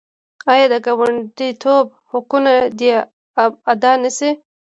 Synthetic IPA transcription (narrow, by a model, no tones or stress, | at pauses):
ɑjɑd̪əɡawaɳɖit̪ʰob̚ | hʊkunad̪i | ad̪ɑnasi